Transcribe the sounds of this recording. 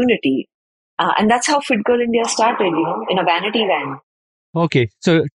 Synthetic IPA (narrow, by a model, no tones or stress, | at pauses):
uːnɪʈi | ʔæ̰̃nɖd̪æʈshaʊfɪʈ̚ɡoːlɪ̃ɳɖiasʈaːɾʈɾelinoɪ̃nəʋænɪʈiʋɛ̃ɳʈ | oːkesoː